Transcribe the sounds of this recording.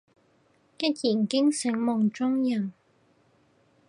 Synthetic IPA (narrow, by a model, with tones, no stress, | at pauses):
kɪ˥t̚jiː˨˩nkɪ˥ŋsɪ˨˥ŋmɔ˨˩ŋt͡ʃʊ˥ŋjɐ˨˩n